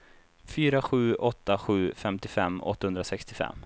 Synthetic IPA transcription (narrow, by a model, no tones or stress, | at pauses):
fyːɾaɧʉ̟ːɔt̪ːaɧʉ̟ːfɛmt̪ɪfɛmːɔ̰t̪ːahɵnd̪ɾasɛkst̪ɪfɛ̰mː